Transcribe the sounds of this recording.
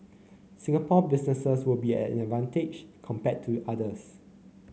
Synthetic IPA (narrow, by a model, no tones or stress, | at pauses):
sɪ̃ŋapɔbɪsnəsəswɪlbiɛ̰̃dvãnted͡ʒkʰɔ̃mpɛtʰːuʔadəs